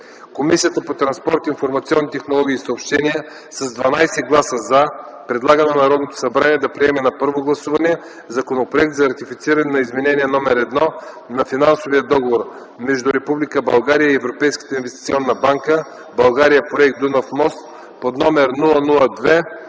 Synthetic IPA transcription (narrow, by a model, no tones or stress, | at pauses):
komisijət̪əpot̪ɾɐnspɔɾt̪infoɾmɐt̪siɔnːit̪ɛxnolˠɔɡʲiːsɐopʃt̪ɛniə | sɐzd̪vɐnajsɛɡlˠasəza | pɾɛd̪lˠaɡənɛnɐɾɔd̪not̪o̥sɐbɾaniɛd̪ɐpɾiɛmɛnɐpɤɾvoɡlˠɐsuvɐnɛ | zɐkonopɾoɛk̚t̪zɐɾɐt̪ifit̪siɾɐnɛnɐizmɛnɛniɛnɔmɛɾɛd̪nɔ | nɐfinansovijəd̪ɔɡovoɾ | mɛʒd̪uɾɛpublikəbɐlˠɡaɾijəiɛvɾopɛjskə̥t̪əinvɛst̪it̪sʲiɔnːɐbaŋkə | bɐlˠɡaɾijəpɾoɛkt̪d̪unafmɔst̪ | pod̪nɔmɛɾnulˠənulˠəd̪vɛ